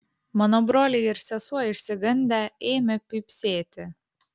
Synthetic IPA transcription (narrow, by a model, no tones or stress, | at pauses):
mɐnobɾoːlʲeɪɪɾsʲɛsuɔɪʃʲsʲɪɡɐnʲd̪ʲɛeːmʲɛpʲɪpʲsʲeːt̪ʲɪ